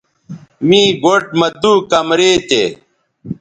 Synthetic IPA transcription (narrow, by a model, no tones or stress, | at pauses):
mĩːɡoʈ̚mɐt̪uːkɐmɾeːt̪ḛ